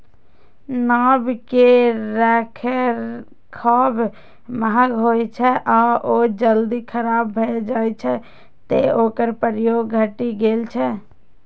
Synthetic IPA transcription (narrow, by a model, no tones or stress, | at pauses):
naːbkeɾɛkʰeɾ | kʰɔːb | məɦaɡʱojt͡ʃʰɛʔɔːɾod͡ʒəld̪ikʰəɾaːbːʱed͡ʒaːjt͡ʃʰɛ | t̪eoːkəɾpəɾjoːɡːʱəʈiɡeːlt͡ʃʰɛ